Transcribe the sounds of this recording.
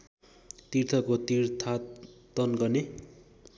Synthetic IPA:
t̪irt̪ʰʌkot̪irt̪ʰat̪ʌnɡʌrne

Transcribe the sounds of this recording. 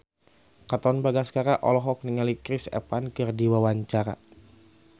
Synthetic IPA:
kat̪ɔnbaɡaskaɾaʔɔ̰lɔɦɔk̚niŋalikɾisɛ̰pankɨrdiwawaɲt͡ʃaɾa̰

